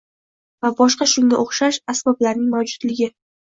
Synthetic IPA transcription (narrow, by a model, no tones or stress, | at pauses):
vabɒʃqɑʃʊŋʲaʔoχʃaʃasbɒblaɾnɪŋmawd͡ʒʊd̪lɪɡʲɪ